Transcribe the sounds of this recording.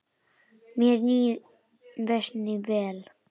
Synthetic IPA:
miɾɲi | nðɛʃnivɛl

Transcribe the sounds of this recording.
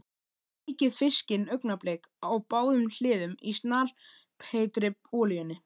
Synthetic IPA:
ejcɪðfɪscɪnœɥknaplɛːk | awpaːwðʏml̥ɪːðʏmist̪naːl̥ | pʰeːjt̪ɾɪpɔːljœnɪ

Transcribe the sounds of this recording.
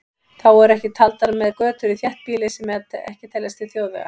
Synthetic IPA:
θawɛɾɛhcɪt̪ʰalt̪aɾmɛðkœːt̪ʏɾɪθjɛht̪̚piːlɪsɛmːɛt̪ɛ̰hcɪt̪ʰɛljast̪ɪθjowðvɛ̰ɣa̰

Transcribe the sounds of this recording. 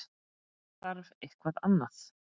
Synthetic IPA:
θaɾvejhkvaðanːaθ

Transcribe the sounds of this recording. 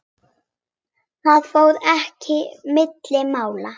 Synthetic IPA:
θaðfoːwðɛhcɪmɪt̪lɪmaːwla

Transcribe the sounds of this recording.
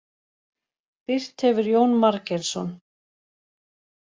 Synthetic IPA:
pɪr̥t̪hɛvʏɾjoːwnmaɾcɛlsɔn

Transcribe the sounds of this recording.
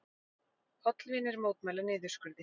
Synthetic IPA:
ɔt̪lviːnɪɾmoːwt̪mɛːlanɪːðʏɾ̥skʏɾðɪ

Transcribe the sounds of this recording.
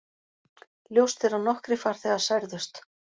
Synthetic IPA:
ljowst̪θɛɾanɔhkɾɪfaːɾ̥θɛːɣḁsajɾðʏst̪

